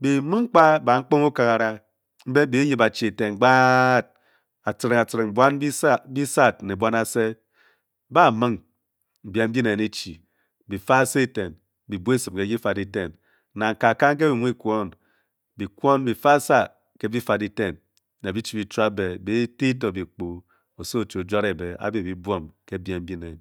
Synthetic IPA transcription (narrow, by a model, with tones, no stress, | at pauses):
bi˨˦mu˦ŋ̩˦k͡pa˦ba˨ŋ͡m̩˦k͡po˦ŋu˦ka˨ka˨ɾa˦ | m̩˦be˦bi˨˦ɲi˨ba˨t͡ʃi˨e˨te˨n˨ɡ͡ba˦t̚ | a˨t͡si˨ɾi˨ŋa˨t͡si˨ɾi˨ŋŋ͡mbʷa˦n˦bi˦sa˦bi˦sa˦˨t̚ne˨bʷa˦na˦se˦ | ba˦˨mɨ˦ŋ | m̩˨bja˨m̩˦bi˦ne˨ni˦t͡ʃḭ˨ | bi˨fa˦se˦˨te˨n | bi˨bu˦e˦sɨ˨p̚ke˨˦ɡi˦fa˨di˦te˦˨n˦ | na˨ŋ̩˨ka˨ka˦ŋ̩˦k̬e˦bi˨mʷ˦i˦kʷo˦n | bi˨kʷo˦n˦bi˨fa˦sa˦ | ke˦bi˦fa˨di˦te˦˨n | ne˨bi˦t͡ʃi˨bi˨t͡ʃa˦be˨bi˦ti˦to˨bi˨k͡po˨ | o˨so˦˨t͡ʃo˨d͡ʒa˦ɾe˨be˨a̰˦bi˨bi˦bwo˦mke˦bja˨m̩˦bi˦ne˨n